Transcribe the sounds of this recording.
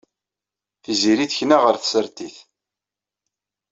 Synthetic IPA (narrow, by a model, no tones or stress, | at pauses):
θiziɾiθçnaʁəɾθsəɾt̪iθ